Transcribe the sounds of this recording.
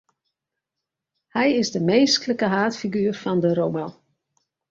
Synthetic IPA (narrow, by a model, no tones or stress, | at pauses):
hɛjɪzdəmeːskləkəɦaːtfiɡyːərfɔndəɾowma